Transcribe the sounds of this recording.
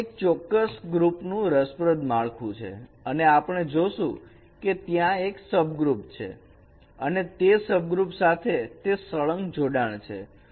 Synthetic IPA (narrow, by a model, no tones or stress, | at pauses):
ek̚t͡ʃɔkːəsɡɾupnũɾəspɾəd̪maɭkʰũt͡ʃʰḛəneapəɽ̃ed͡ʒoʃũ | ket̪jãeksəbɡɾupt͡ʃʰḛ | ənet̪esəb̚ɡɾupsat̪ʰet̪esəɭəŋɡd͡ʒoɖaɳ̃t͡ʃʰḛ